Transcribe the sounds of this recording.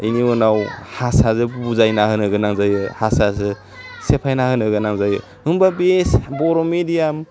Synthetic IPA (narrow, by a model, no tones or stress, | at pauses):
ijniɔnawhasazɯbbuzajnahɯnɯɡɯnaŋzajɯhasazɯ | sepʰajnahɯnɯɡɯnaŋzajɯ | ɯŋbabesbɔɾɔmedijam